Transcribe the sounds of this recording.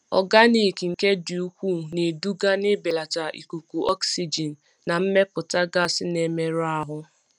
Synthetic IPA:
ɔ̰˨ɡa˦ni˨ki˨ŋ̩˨ke˦du˨u˦kʷu˦˨ne˨du˦ɡa˦ne˦be˨la˨ta˨ʔḭ˨ku˨ku˨ʔɔ˦ksi˨d͡ʒi˨n̩ː˨a˨m̩˦me˦pʊ˨ta˦ɡa˦sɪ˦ne˨me˦ɾa˦ɦʊ˦

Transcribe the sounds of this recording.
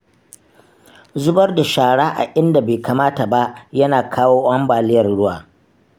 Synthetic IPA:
zʊ˦bɐ˦rda˨ʃaː˨ɽaː˦ʔa̰˨ʔɪ˦nda˨beː˨kaː˨maː˦ta˨ba˦ʔjɐ˦naː˨kʰaː˦woː˦ʔɐ˦mbaː˨lɪ˦jɐ˨rɽʊ˦wa̰ː˨

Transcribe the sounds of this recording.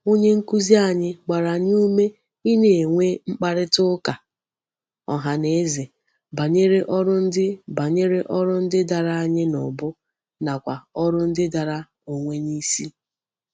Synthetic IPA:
o˦ɲe˦ŋ̩˦ku˦zi˦a˨ɲɪ˦ɡ͡ba˨ɾa˨ɲ˦u˦me˦ | i˦ne˨ŋʷe˦ŋ͡m̩˦k͡pa˦ɾɪ˦tʊ˦ka˨ | ɔ̰˨ɦa˨ne˨e˦ze˨ | ba˨ɲe˦ɾe˦ʔɔ˦ɾʊ˦n̩˦dɪ˦ba˨ɲe˦ɾe˦ʔɔ˦ɾʊ˦n̩˦dɪ˦da˨ɾa˦˨a˨ɲɪ˦nʊ̰˨bʊ˦ | na˨kʷa˨ɔ˦ɾʊ˦n̩˦dɪ˦da˨ɾa˦ | o˨ŋʷe˦ni˦si˦

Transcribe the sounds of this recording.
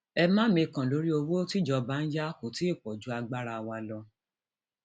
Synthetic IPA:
ɛ˧mã˦mĩ˧kã˨lo˨˦ɾi˦o˧wo˦ti˦d͡ʒɔ˧ba˨˦n̩˦ja˦ko˨ti˨˦i˦˨k͡pɔ˨d͡ʒu˦a˧ɡ͡ba˦ɾa˧wa˧lɔ˧

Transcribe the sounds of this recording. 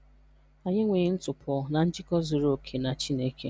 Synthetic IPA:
a˨ɲɪ˦ŋʷe˨˦n̩˦tʊ˨pʰɔ˨na˨n̩˦d͡ʒɪ˦kɔ˦zi˨ɾo˦˨kʰe˨na˨t͡ʃi˦ne˦ke˦

